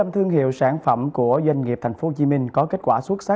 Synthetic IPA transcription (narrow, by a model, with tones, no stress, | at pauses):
ə˧mt̪ʰɨ˧əŋɦḭ˧˨əwsaː˧˩nfə˧˩mku˧˩əzwa˧jŋ̟ŋi˨˩p̚t̪ʰa˨˩jŋfo˨˦˧t͡ɕi˨˦mï˧ŋ̟kɔ˨˦ke˦˥t̚kwaː˧˩swə˦˥t̚sa˦˥